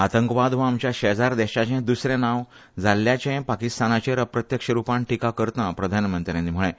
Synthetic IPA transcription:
at̪əŋkʋad̪ʋãːmt͡ɕjaɕed͡zaɾd̪eɕat͡ɕɛ̃d̪usɾẽnaʋ | d͡zaljat͡ɕẽpakist̪anat͡ɕeɾəpɾət̪jəkɕəɾupãɳʈikakəɾt̪ãpɾəd̪ʱanmənt̪ɾjãnim̤əɭɛ̃

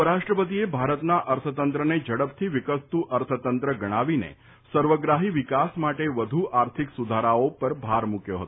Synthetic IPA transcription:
upəɾaʃʈɾəpət̪̬iebʱaɾət̪naʔəɾt̪ʰət̪ənt̪ɾəned͡ʒəɽəp̚t̪ʰiʋɪkəst̪ũʔəɾt̪ʰət̪ənt̪ɾəɡəɽ̃aʋinḛ | səɾʋəɡɾaɦiʋɪkasmaʈeʋəd̪ʱuʔaɾt̪ʰɪksud̪ʱaɾaopəɾbʱaɾmukjoɦə̰t̪o

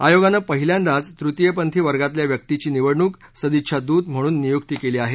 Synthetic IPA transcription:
ajoɡanːəpəɦiljãnd̪ad͡zt̪ɾut̪jəpənt̪ʰiːʋəɾɡat̪̬ljaʋjək̚t̪it͡ɕiːniʋəɽɳuːk | səd̪it̪t͡ɕʰad̪uːd̪m̤əɽ̃uːnːijukt̪iːkeliːaɦet̪

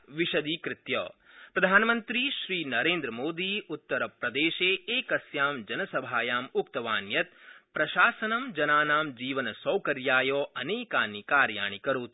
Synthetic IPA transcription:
ʋiʃɐd̪iːkɾɪt̪jo̰ː | pɾɐd̪ʱaːnɐmɐnt̪ɾiːʃɾiːnɐɾeːnd̪ɾɐmoːd̪iːut̪ːɐɾɐpɾɐd̪eːʃeːeːkɐsjaːmd͡ʒɐnɐsɐbʱaːjaːmukt̪ɐʋaːnjɐt̪̚pɾɐʃaːsɐnɐmd͡ʒɐnaːnaːmd͡ʒiːʋɐnɐsɐwkɐɾjaːjoːɐneːkaːnːikaːɾja̰ːɳ̃ikɐɾoːt̪

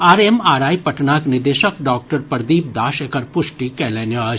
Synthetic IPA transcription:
aːɾemaːɾaːipɐʈnaːknɪd̪eʃəkɖɔːk̚ʈəɾpɐɾd̪iːpd̪aːʃekəɾpʊʃʈikɛːleːnjə

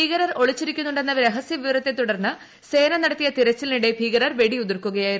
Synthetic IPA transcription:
iɣɐɾɐro̞ɭit͡ɕːiɾikʲːunːuɳɖenːɐɾeɦɐsjɐʋiʋɐɾɐt̪ːe̞t̪uɽɐrnːɨ | se̞ːnɐnɐɽɐt̪ːijɐt̪iɾɐt͡ɕːilniɽe̞pʰiːɣɐɾɐrʋe̞ɽiud̪urkːuɣɐjaːjiɾ

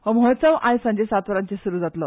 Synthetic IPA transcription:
ɦəməɦət̪səʋãjsə̃ɲd͡ʑesat̪ʋəɾãɲt͡ɕesuɾuːd͡zat̪lə

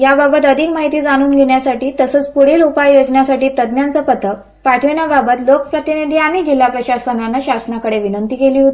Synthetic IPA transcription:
jababət̪əd̪ʱikmaɦit̪iːd͡zaɽ̃uːnɡʱeɳjasaʈiːt̪əsət͡spuɽ̤elupajjod͡zɳjasaʈiːt̪əd̪njant͡səpət̪ʰək̚ | paʈʰʋeɳjababət̪lokəpɾət̪inid̪ʱiaɽ̃id͡ʑilːapɾəɕasənanːaɕasnakəɽeʋinənt̪iːkeliːɦot̪ii

